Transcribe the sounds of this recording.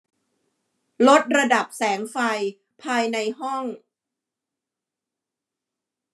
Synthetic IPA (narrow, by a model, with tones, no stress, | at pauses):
lo˦˥t̪̚ɾa˧da˨˩p̚sɛː˩˦ŋfa˧j | pʰaː˧jna˧jɦɔ˥˩ŋ